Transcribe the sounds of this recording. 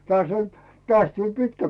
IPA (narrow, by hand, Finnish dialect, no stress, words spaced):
tŏɑˑs olʲ tŏɑs tulʲ pitkæ